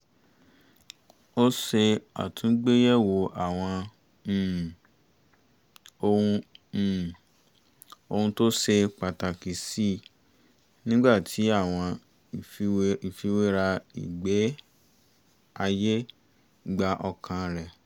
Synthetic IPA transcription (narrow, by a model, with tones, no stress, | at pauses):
o˦se˧a̰˨tʰũ˨˦ɡ͡be˦jɛ˦˨wo˨ʔa˨w̃ɔ̃˧˨ | o˧ũ˧˨ | o˧ũ˧to˦se˧k͡pa˨ta˨ki˨si˦˨ | nĩ˦ɡ͡ba˦˨tʰi˨˦a˦˨w̃ɔ̃˧˨˧ | i˨fi˧˦we˦ɾa˧ḭ˨ɡ͡be˨˦ | a˧je˦ | ɡ͡ba˧ʔɔ˧kʰã˧ɾɛ˨